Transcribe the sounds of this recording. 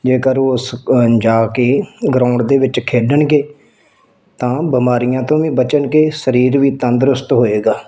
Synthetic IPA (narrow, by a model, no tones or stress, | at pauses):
d͡ʒeːkəɾosd͡ʒaːkeːɡɾãːʊɳɖd̪eːʋɪt͡ʃkʰeːɖəɳɡeː | t̪ãːbəmaːɾijãːt̪õːʋĩːbət͡ʃəɳkeːsəɾiːɾʋiːt̪ə̃nd̪ɾʊst̪ɦoːeːɡaː